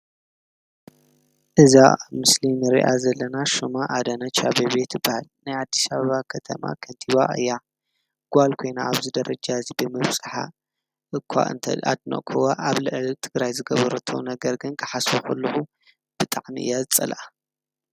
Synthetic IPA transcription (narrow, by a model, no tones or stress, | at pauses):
ʔɨzamɨslimɨɾḭʔazɐlːɐnaʃumaʔːd̪ɐnɐt͡ʃʰaβeβet̪jɨbahalnajad̪ːisaβɐβakʰɐt̪ʰɐ̰ma̰kʰɐnt̪ʰiβaʔɨ̰jːa | ɡ̥ʷalkʰo̞jna̰aβzɨd̪ɐɾɐd͡ʒazibɨmɨβsʼɨħa̰ | ʔɨkʷʰːa̰ʔɨ̰nt̪ʰɐ̰a̰d̪no̰ʔkʰowaʔaβlɨʕlt̪ʰɨɡɾajzɨɡɐβɐɾɐt̪ʰo̰nɐɡɐɾɡɨnkʰɨ̥ħasboxɐlːuxu | b̥ɨt̪ʼaʕmḭʔɨ̰jːazɨt͡sʼɐ̰lʔa